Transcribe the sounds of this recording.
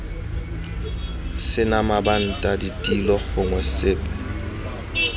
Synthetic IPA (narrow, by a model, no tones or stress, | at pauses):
sɪnamaban̩tʼaditʼilɔɣʊŋwɛsɪːpʼa